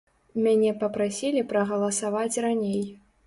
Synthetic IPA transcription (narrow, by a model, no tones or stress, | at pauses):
mʲanʲɛpɐpɾasʲilʲipɾɐɣɐlˠɐsavat͡sʲranʲej